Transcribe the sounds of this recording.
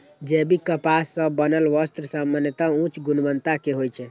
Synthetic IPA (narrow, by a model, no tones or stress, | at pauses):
d͡ʒebikəpasːə̃bənəlʋəst̪ɾəsamːanjət̪aũt͡ʃɡunbənt̪akeɦojt͡ʃʰɛ